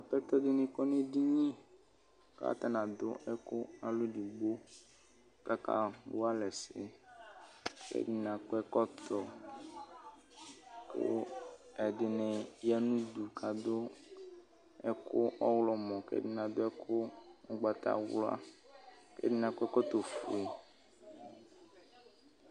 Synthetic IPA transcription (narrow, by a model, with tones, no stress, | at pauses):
a˨pɛ˦t̪ɔ˦dɪ˦nɛ̃˨kɔ˦ne˦di˦ɲĩ˦ | ka̰˦t̪a˦nã˨d̪ʊ˦ɛ˦kʊ˦a˨lo˦ɖi˨ɡ͡bo˦ | ka˦ka̰˦wo˦a˦lɛ˨sɪ̰˦ | kɛ̰˦dɪ˦nã˨ko˦ɛ˦kɔ˦t̪ɔ˨ | ko̰˦ɛ˨ɖɪ˨nɛ̃˨ja˦nũ˦d̪u˨kʰa˨d̪o˦ | ɛ˦kʰo˦ɔ˦wlɔ˦mɔ̃˨kɛ̰˦di˦nã˨d̪o˦ɛ˦kʰo˦o˦ɡ͡ba˨t̪a̰˦wlɔ˦a̰˦ | kḛ˦di˦nã˨ko˦ɛ˦kɔ˦t̪o˨fo̰˨e˨